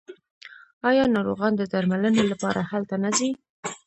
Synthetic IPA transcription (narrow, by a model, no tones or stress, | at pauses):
ɑjɑnɑɾoɣɑnd̪əd̪aɾmalənelapɑɾʔahalt̪anazi